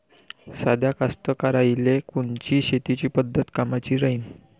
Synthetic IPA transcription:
sad̪ʱjakast̪əkaɾajlekuɳt͡ɕiːɕet̪it͡ɕiːpəd̪ʱːət̪kamat͡ɕiːɾəiːn

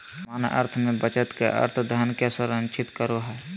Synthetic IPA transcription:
maːnʔə̰ɾt̪ʰmẽbət͡ʃət̪kḛʔə̰ɾt̪ʰd̪ʱənkesəɾənt͡ʃʰɪt̪kəɾoɦɛː

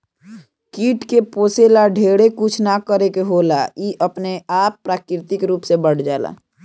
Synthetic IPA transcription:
kiːʈkeposelaɖʱeɽekut͡ʃʰnakəɾekeɦolaiʔəpneapːɾakɾɪt̪ikɾuːpsebəɽ̤d͡ʒaːla̰

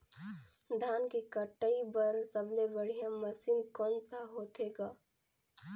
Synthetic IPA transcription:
d̪ʱaːnkekəʈːəibəɾsəblebəɽ̤ijãməsiːnkɔːnsaɦot̪eɡaː

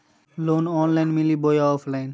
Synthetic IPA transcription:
lonɔːnlajnmilibojaɔpʰlajn

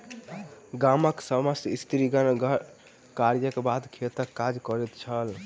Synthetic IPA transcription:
ɡaməksəməsist̪ɾiɡənɡ | kaɾjəkebad̪kʰet̪əkːad͡ʒkɔɾɛt̪t͡ʃʰəl

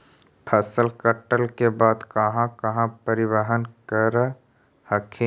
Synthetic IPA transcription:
pʰəsəlkəʈəlkebaːd̪kɐɦãkɐɦãpəɾɪwəɦənkəɾ | həkʰẽ

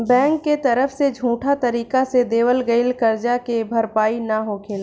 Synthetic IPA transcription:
bɛ̃ːŋkːet̪ɐɾəfʰsed͡ʒʱũːʈʰat̪ɐɾiːkased̪eːʋəlɡəɪlkəɾd͡ʒakebʱɐɾpaːinaɦoːkʰeːl

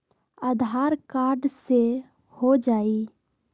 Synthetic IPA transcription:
ad̪ʱaːɾkaːɾɖse | hod͡ʒaːi

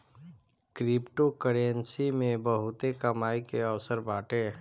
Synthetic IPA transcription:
kɾɪpʈokəɽensimẽbəɦʊt̪ekəmaːikeəʋsəɾbaːʈeː

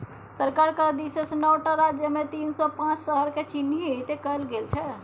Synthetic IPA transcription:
səɾkaɾkəd̪isesnəwʈaɾad͡ʒjəmet̪insɔpãt͡ʃsəɦəɾket͡ʃiniet̪ekəlɡelt͡ʃʰɛ

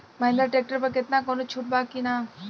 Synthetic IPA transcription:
maɪ̃nd̪əɾʈek̚ʈəɾpɐɾkɪt̪nakoːnot͡ʃʰuːʈ̚baːkːina

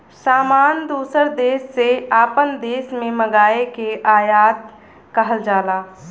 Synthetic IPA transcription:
saːmaːnd̪uːsəɾd̪eːsːeaːpənd̪eːsmẽməɡaːekeʔaːjaːt̪̚ | kəɦəld͡ʒaːlaː

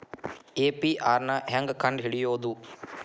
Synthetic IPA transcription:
eːpiʔaːɾnɐɦeŋɡkɐɳɖɦiɽijoːd̪u

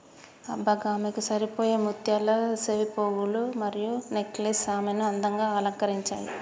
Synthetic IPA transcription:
ɐbːɐɡaːmikusɐɾipoːjeːmut̪jaːlɐseʋipoːɡulumɐɾijuneklesaːminuɐnd̪ɐŋɡaːɐːlɐŋkɐɾiɲt͡ʃa̰ːjḭ

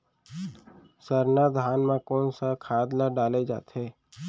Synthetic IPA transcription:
səɾnad̪ʱaːnmãkoːnsakʰaːd̪laɖaːled͡ʒa̰ːt̪eː

